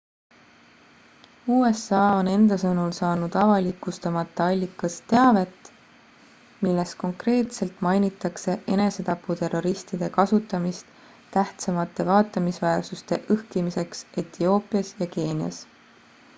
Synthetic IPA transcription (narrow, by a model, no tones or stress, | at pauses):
uːe̞sɑːone̞nd̪̥ɑsɤnulsɑːnud̪̥ɑvɑlikːˑust̪ɑmɑt̪ˑːɑɑlʲːikːˑɑst̪e̞ɑve̞t̪ːˑ | milːe̞sko̞ŋkre̞ːt̪se̞lt̪ˑmɑjnit̪ˑːɑkse̞ʔe̞ne̞se̞t̪ɑpːˑut̪e̞ro̞ɾist̪id̪̥e̞kɑsut̪ːˑɑmist̪ | t̪ːæht̪sɑmɑt̪ːˑe̞vɑːt̪ːˑɑmisvæersust̪e̞ʔɤhkimise̞kse̞t̪io̞ːpˑijɑsjɑke̞ːniɑ̰s